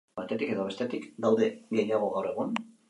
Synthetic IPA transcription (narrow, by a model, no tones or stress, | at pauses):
at̪e̞t̪ike̞ðo̞βe̞st̪e̞t̪ikd̪awðe̞ɡejaɣ̞o̞ɣawre̞ɣun